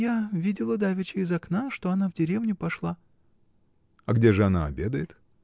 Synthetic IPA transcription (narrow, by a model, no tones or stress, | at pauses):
jaʊvʲidʲɪlˠəd̪avʲɪt͡ɕɪɪzɐknaʂt̪o̞ɐnavdʲɪɾʲevnʲʊpɐʂlˠa | ɐɡdʲeʐɨɐna̰ɐ̰bʲed̪əjɪt̪